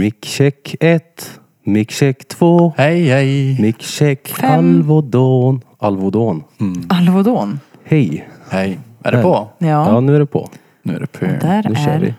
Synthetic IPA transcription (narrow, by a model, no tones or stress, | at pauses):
mɪkɕɛkːɛt̪ | mɪkɕɛkːt̪ʰv̥oːhɛjhɛjmɪkɕɛkːalvɔd̪oːnalvʊd̪oːnalvʊd̪oːnhɛjhɛjæ̰ɖɛɔjɑːjɑːnʉ̟ːæɖɛpʰɔ̰ | nʉ̰ːdɛæɾnʉːø̰ːɾʋɪ̰